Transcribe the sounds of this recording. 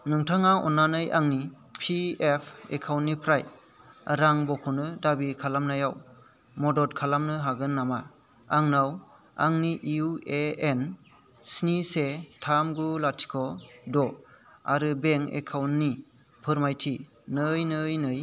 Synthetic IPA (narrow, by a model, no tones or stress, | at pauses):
nɯŋtʰaŋaʔɔ̰nanɯjʔaŋni | pʰiepʰḛkʰawnːipʰɾaj | ɾaŋbɔkʰɔnɯdabikʰalamnajaw | mɔdɔt̚kʰalamnɯɦaɡɯnːama | aŋnaw | aŋniʔiueen | snisetʰamɡulatʰi̥kʰɔdɔa̰ɾɯbeŋḛkʰawnːi | pʰɯɾmajtʰi | nɯjnɯjnɯj